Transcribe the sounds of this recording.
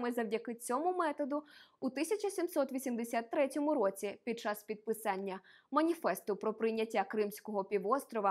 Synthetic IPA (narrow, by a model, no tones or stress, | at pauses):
mɪzɐwdʲɐkɪt͡sʲɔmʊmɛt̪ɔd̪ʊut̪ɪsʲɐt͡ʃɐsʲimsɔt̪ʋʲisʲimd̪esʲat̪ːɾɛtʲɔmʊɾɔt͡sʲipʲid̪̚t͡ʃɑspʲid̪̚pɪsɑnʲːɐ | mɐnʲifɛst̪ʊpɾɔpɾɪjnʲːɐtʲːakɾɪmsʲkɔɦɔpʲiʋɔst̪ɾɔʋɐ